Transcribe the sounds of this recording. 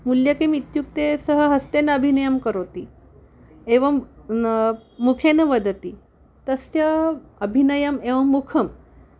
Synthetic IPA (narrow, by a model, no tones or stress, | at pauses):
muljəkemit̪juk̚t̪esəɦəɦɐst̪enɐəbʱinəjɐmkəɾot̪i | eʋɐm | ukʰenɐʋəd̪ʱət̪i | t̪əsjɐəbʱinɐjɐmeʋɐmːukʰəm